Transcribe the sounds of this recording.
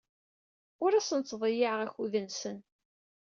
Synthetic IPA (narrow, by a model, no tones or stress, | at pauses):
ʊɾæsənt͡sːðˤɪjaʕʁæçuðənsən